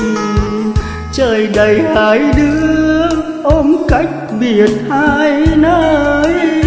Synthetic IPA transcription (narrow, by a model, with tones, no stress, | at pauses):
t͡ɕəː˨˩jɗə˨˩jhaː˨˦jɗɨ˧˦əə | ʔo˧mka˦˥jk̟̚ɓi˨ən̚ha˧jnəː˧˦ə˧˦j